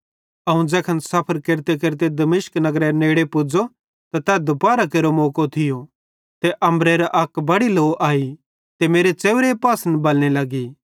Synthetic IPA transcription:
ɐũd͡ʒɛːkʰɐnsɐpʰəɾkeɾt̪ek̬eɾt̪̬ed̪ɐmɪʃknɐɡɾɛneːɽepʊd͡ʒo | t̪at̪ɛːd̪ʊpaːɾakeːɾomoːkot̪ʰɪjo | t̪eʔɐ̃mbɾeɾaʔɐkbɐɽiloːʔaːi | t̪emeːɾet͡ʃeːʋɾepaːsənbɐlñelɐɡiː

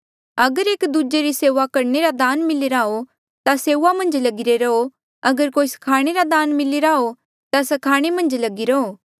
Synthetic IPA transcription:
ɐɡəɾeːkd̪ud͡ʒeɾiseːʋakɐɾneɾad̪aːnmɪliɾaːo | t̪aseːuʋamɐ̃nd͡ʒlɐɡɪɾeɾɐo | ɐɡəɾkoːisɐ̥kʰaːɽ̃eɾad̪aːnmɪliɾaːo | t̪asɐkʰaːɽ̃emɐ̃nd͡ʒlɐɡiɾɐoː

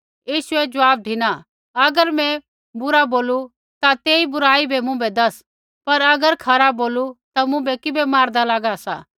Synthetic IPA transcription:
jiːʃʊɛd͡ʒʊaːb̚ɖʱɪna | ɐɡəɾmɛ̃ | bʊɾaboːlu | t̪at̪eːibʊɾaːibʱɛmʊ̃bɛd̪ɐs | pɐɾɐɡəɾkʰɐɾaboːlut̪amʊ̃bɛkɪbɛmaːɾd̪alaːɡasa̰ː

